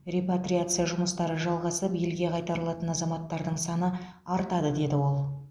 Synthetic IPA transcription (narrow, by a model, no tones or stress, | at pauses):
rʲepat̪ɾʲijat̪sɨjaʒʊməst̪ɑɾəʒɑlˠʁɑsəpje̞lɡʲe̞qʰɑjt̪ɑɾəlˠɑt̪ənɑzɑmɑt̪ːɑɾd̪əɴsɑnə | ɑɾt̪ɑd̪əd̪e̞d̪ɪwo̞lˠ